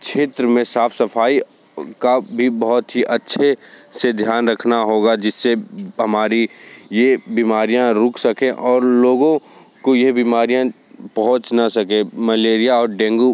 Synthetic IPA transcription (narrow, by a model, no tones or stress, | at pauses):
kʃʰeːt̪ɾəmẽsaːfʰsəpʰaːi | kabʱibɐɦʊt̪ɦiʔɐtːʃʰesed̪ʱjaːnɾɐkʰnaɦoːɡad͡ʒɪsːeɦɐmaːɾijebiːmaːɾijãɾʊkʰsɐkẽʔɔːɾloːɡõ | kojeɦbiːmaːɾijã | pɐɦʊ̃t͡ʃnasɐkẽmɐleːɾijaɔːɾɖɛ̃ːŋɡu